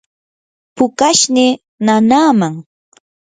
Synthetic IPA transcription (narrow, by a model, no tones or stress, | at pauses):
pʊkaʃnɪ | nanaːmaŋ